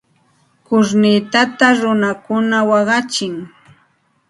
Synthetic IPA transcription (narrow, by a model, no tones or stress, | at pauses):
kʊɾnɪt̪at̪aɾʊnakʊnawɑɢɑt͡ʃɪŋ